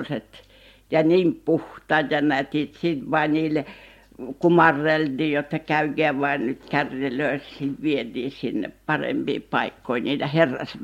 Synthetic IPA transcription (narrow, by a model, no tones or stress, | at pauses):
set̪ | jɑniːmpuht̪ɑjɑnæt̪iːt̪sit̪ʋɑˑiniːle | kumɑrːeld̪iːjot̪ːɑkæyɡ̥eæːʋɑinyt̪kærjeløˑissit̪ʋiet̪iːsinːḛppɑrḛmb̥ḭːpɑikːoiniːd̪æherːɑ̰s